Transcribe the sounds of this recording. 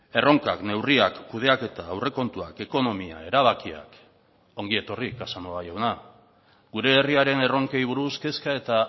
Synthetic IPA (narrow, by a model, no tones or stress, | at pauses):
e̞ro̞ŋka̰kne̞wriakːuð̞e̞ake̞t̪aːwre̞ko̞nt̪uake̞ko̞no̞mia̰e̞ɾaβ̞akia̰k | o̞ŋɡie̞t̪o̞rikasanoajawna | ɡuɾe̞ːriaɾe̞ne̞ro̞ŋkejβ̞uɾuske̞skae̞t̪a